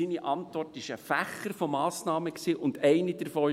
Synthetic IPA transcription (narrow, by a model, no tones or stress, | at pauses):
iniʔɑntʋɔrtɪʃəfæχəɾfɔmɑːsnɑːməksiːʔʊnd̥ɛɪnid̥əɾfoː